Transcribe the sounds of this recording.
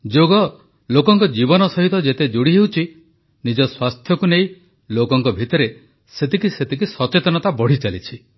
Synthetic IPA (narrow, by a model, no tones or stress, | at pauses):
d͡ʒoɡɔ | lokɔŋkɔd͡ʒibɔnɔsɔɦit̪ɔd͡ʒet̪ed͡ʒuɽiɦewt͡ʃʰi | nid͡ʒɔswast̪ʰjɔkuneĩ | lokɔŋkɔbʱit̪ɔɾe | set̪ikiset̪ikisɔt͡ʃet̪ɔnɔt̪abɔɽ̤it͡ʃalit͡ʃʰi